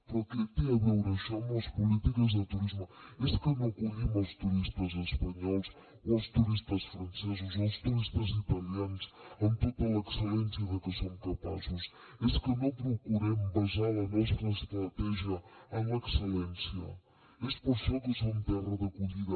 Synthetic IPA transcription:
pɔɾkɨɐkiɐβewɾɐʃamaɐʃpulit̪ikɐzðɨt̪uɾizmueskɐnɐ̃w̃kuʎimawʃt̪uɾiʃt̪ɐzeʃpɐɲɔlˠʃ | oawʃt̪uɾiʃt̪ɐʃfɾɐ̃nsezuzawʃt̪uɾiʃt̪ɐzit̪ɐljɐnuʃɐ̃nt̪opɐlˠɐksɨlẽnsjɐðɨkɨsomkɐpa̰zuʃ | eskenɐ̃w̃pɾokuɾemubɐʃaɾɐnɔst̪ɾɐʃt̪ɾɐt̪ɛʒjɐañɐeksɨlẽnsjɐ̰ | eʃt̪pusɛ̃t̪usɛũmt̪ɛrɐðɐkuʎiðɐ

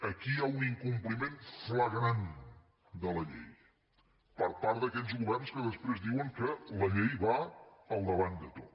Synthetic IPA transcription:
əkiauniŋkumplimenfləɣɾan | d̪ələʎɛ̰j | pəɾpaɾt̪d̪əkɛʎzɣuβɛrnskəðəspɾezd̪iwəŋkələʎɛjβaəlˠd̪əβand̪ət̪ot̪

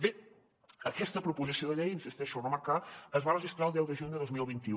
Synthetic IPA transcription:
be | əkɛst̪əpɾupuzisioðəʎɛjənsist̪ɛʃunomakaəzβarəʒist̪ɾalˠd̪ɛwˠd̪əʒund̪əðozmilˠβint̪i

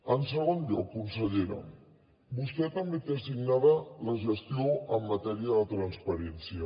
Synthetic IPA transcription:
ənsəɣonʎokunsəʎeɾə̰ | bust̪ɛt̪əmbet̪esiɡnaðələʒəst̪ioəmːət̪ɛɾiəðət̪ɾənspəɾɛnsiə

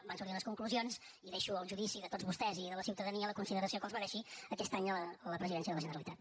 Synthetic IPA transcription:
bansuɾðiunəskuŋkluzions | iðɛʃuəlˠʒuðisiðət̪odd͡zβust̪ɛziðələsiwt̪əðəniələkunsiðəɾəsiokɔmzβməɾɛʃiəkɛst̪aɲələləpɾəziðɛnsiəðələʒənəɾəlit̪at̪

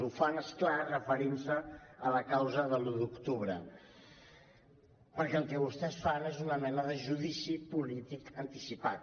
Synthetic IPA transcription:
ufanesklarəfəɾinsəələkawzəðəlud̪ukt̪uβɾə | pəɾkɛlˠkɛβust̪ɛsfanezunəmɛnəðəʒuðisipulit̪ikənt̪isipat̪̚

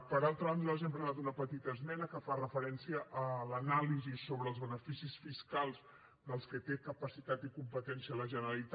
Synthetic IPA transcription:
pəɾalˠt̪ɾəβand̪əlazeɛmpɾənat̪unəpət̪it̪əzmɛnəkəfarəfəɾɛnsiəʔːlənalizisoβɾəːlzβənəfisisfiskalˠz | d̪əlˠskət̪ekəpəsit̪at̪ikumpət̪ɛnsiələʒənəɾəlit̪

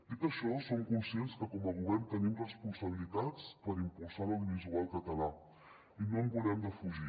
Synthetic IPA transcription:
ipəɾʃɔsomkunsjenskəkɔməɣ̞uβɛrnt̪ənimrəspunsəβ̞ilit̪at͡spəɾimpulˠsaɾəiβizualˠkət̪əla | inoəmbulɛmd̪əfuʒi

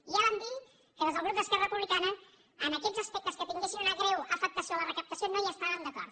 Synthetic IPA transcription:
ialənb̪il | kəðəzəβlud̪əskerəpuβlikanɐ | ənɐkɛʎzɐspek̚t̪əskət̪iŋɡesinunaɣɾewafək̚t̪ɐsiolərəkəp̚t̪ɐsjonojəst̪aɾand̪ɐkɔ̰ɾ

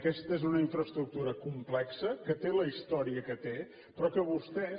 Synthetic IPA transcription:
kɛst̪əezunəiɱfɾəst̪ɾuk̚t̪uɾəkumplɛksəkət̪eləist̪ɔɾiəkət̪e | pɾɔkəβust̪ɛ

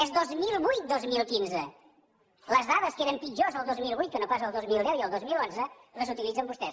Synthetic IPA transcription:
ɛzðozmilˠβujt̪̚d̪ozmilˠkinzə | ləzðaðəskeɾəmpid͡ʒozəlˠd̪ozmilˠβujt̪̚kənopas̬əlˠd̪ozmilˠd̪ɛwiəlˠd̪ozmilˠonzə | ləzut̪ilid͡zəmbust̪ɛs

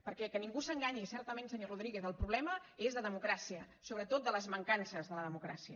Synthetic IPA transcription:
pəɾkɛkəniŋɡusəŋɡaɲisɛɾt̪əmẽnsəɲoruðɾiɣeθəlˠpɾuβlɛməezðəðəmukɾasiə | soβɾət̪ot̪̚d̪ələzməŋkansəzðələðəmukɾa̰siə

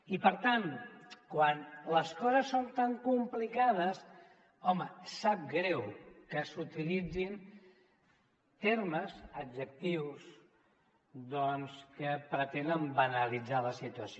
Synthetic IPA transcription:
ipəɾt̪ankwanləskɔzəsːont̪aŋkumplikað̞əs | ɔməsap̚ɡɾɛwkəsut̪ilid͡zin | t̪eɾməzədd͡ʒək̚t̪iws | d̪ɔnskəpɾət̪end̪əmbənəlid͡zaləsit̪uəsi

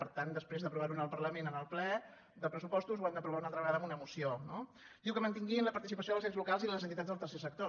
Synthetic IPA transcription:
pəɾt̪and̪əspɾezðəpɾuβaɾunəlˠpərɾləmenənəlˠplɛ | d̪əpɾəsupɔst̪uzwand̪əpɾuβaunalˠt̪ɾəβəɣaðəmunəmusiono | d̪iwkəmənt̪iŋɡinləpəɾt̪isipəsioðəlzezlukalˠziðələzənt̪it̪ad͡zðəlˠt̪ərsesək̚t̪o

